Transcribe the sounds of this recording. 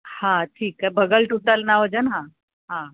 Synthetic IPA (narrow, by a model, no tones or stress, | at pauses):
hãʈʰiːkabəɡəlʈuʈ̪əlnaʋəd͡ʑənɦã | ɦã